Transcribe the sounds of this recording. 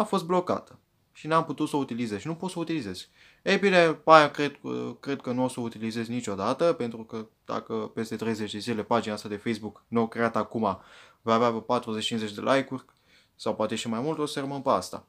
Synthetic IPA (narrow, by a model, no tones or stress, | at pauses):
afo̞s̬t̪̚blo̞ka̰t̪ə | ʃinamput̪ut̪səut̪ilizezʃinupot̪səut̪ilize̞z̥ | ejbine̞pajakɾed̪kɾe̞d̪̚kənuo̞səut̪ilize̞zʲnit͡ʃo̞d̪at̪əpe̞nt̪ɾukəd̪a̰kəpe̞st̪e̞t̪ɾe̞jze̞t͡ʃd̪e̞zile̞pad͡ʒinaast̪ad̪e̞fejsbuknuokɾe̞at̪akuma | voaveapat̪ɾuzet͡ʃt͡ʃinzet͡ʃd̪e̞lʔajkurʲ | sawpoat̪e̞ʃimajmult̪o̞serəmənpeast̪a̰